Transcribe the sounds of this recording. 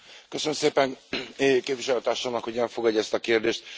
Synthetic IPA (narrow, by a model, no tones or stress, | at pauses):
køsønmseːpɛŋ | keːpviʃɛløt̪aːrʃoːmnɒkho̞ɟɛlfo̞ɡɒɟːɛst̪ɒkeːrd̪eːʃt̪̚